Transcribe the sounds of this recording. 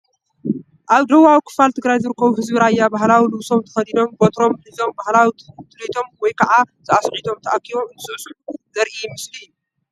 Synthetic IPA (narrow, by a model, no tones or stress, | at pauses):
ʔaβd̪ɐwːawikʰɨ̥falt̪ʰɨɡɾajzɨɾɨkːɐβuɦɨzbiɾajːabahlawilɨβso̞mt̪ʰɨ̥xɐd̪id̪o̞mbo̞t̪ɾo̞mħizo̞mbahlawit̪ʰɨlet̪ʰo̞mwɔjkʰɐʕaz̥ɨasʕit̪ʰo̞mt̪ʰɐʔakʰːiβoɨnt̪ʰɨsʔsuʕuzɐɾʔimɨslijːu